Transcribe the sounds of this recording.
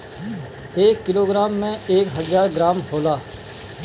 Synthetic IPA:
eːkːɪloːɡɾaːmːɛ̃eːkɦəzaːɾɡɾaːmɦoːlaː

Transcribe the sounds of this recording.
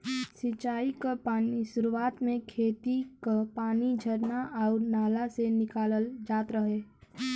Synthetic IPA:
sit͡ʃaːikapaːnisʊɾuaːt̪mẽkʰeːt̪ikapaːnid͡ʒʱəɾnaʔɔːɾnaːlasenɪkaːləld͡ʒaːt̪ɾəɦeː

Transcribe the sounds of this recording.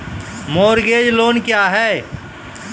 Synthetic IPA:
moːɾɡeːd͡ʒloːnkjaːɦɛː

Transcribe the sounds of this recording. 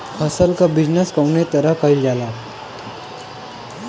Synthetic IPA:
kʰəsəlkabid͡ʑnəskəwnet̪əɾəkaild͡ʒala

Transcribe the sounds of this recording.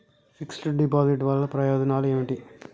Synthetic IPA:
siksʈɖipaːziʈʋɐɭːɐpɾɐjɔːd͡ʒ̪ɐnaːlueːmiʈi

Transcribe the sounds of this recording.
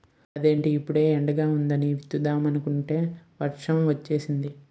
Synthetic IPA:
ɐd̪e̞ːɳʈiːpːuɽe̞ːɛɳɖɐɡaːund̪ɐniʋit̪ːud̪aːmɐnukuɳʈe̞ːʋɐɾʂɐmʋɐt͡ʃːe̞ːsind̪i

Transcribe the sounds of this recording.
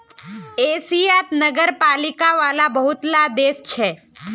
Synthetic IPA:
esiat̪nəɡəɾpalikaʋalabəɦut̪lad̪est͡ʃʰe

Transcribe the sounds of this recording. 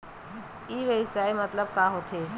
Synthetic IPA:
iːʋəʋsaːemət̪ləb̚kaɦot̪ʰeː

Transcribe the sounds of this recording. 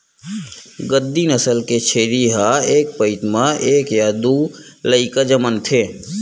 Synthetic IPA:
ɡəd̪ːinəsəlket͡ʃʰeːɾiɦaeːk̚pəɪt̪mãʔeːkjaːd̪uləɪkad͡ʒəmənt̪ʰeː

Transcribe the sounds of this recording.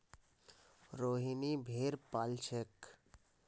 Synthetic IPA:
ɾoːɦinibʱeːɾpaːlt͡ʃʰek

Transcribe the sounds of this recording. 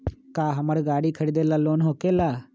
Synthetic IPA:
kaːɦəməɽɡaːɽiːkʰəɽid̪eːlaːloːnɦoːkeːlaː

